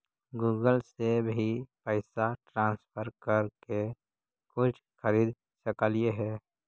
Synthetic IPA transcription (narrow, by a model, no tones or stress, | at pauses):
ɡuːɡəlsebʱipəɪsaʈɾãːnspʰəɾkəɾke | kʊt͡ʃʰxəɾiːd̪ | ʃəkəlijeɦɛː